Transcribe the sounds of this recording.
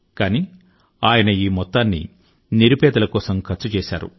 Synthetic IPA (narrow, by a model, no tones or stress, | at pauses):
kaːni | aːjɐnɐiːmɔt̪ːaːnːḭ | niɾupɛːd̪ɐlɐkɔːsɐmkʰɐɾt͡ʃːut͡ʃɛːʃa̰ːɾṵ